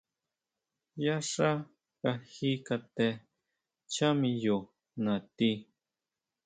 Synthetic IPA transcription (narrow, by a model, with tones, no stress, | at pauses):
ja˦ʂa˦ | ka˨hi˦ka˧t̪ɛ˨ | t͡ʃa˦mi˨jo˨ | na˨t̪i˦